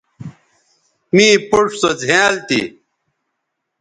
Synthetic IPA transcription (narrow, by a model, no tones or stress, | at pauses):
miːpuʂsod͡zʱẽːlt̪ḭ